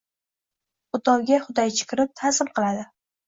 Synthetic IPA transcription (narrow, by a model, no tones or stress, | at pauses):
ʊd̪ɒwɡʲaχʊd̪ajt͡ʃʰɪ̥kʲɪɾɪp̚t̪ʰazɪmqʰɨlˠad̪ɪ